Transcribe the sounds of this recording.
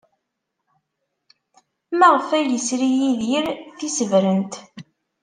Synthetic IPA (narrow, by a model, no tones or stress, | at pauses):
mæʁəfæjəsɾijiðjəɾθisəvɾənt̪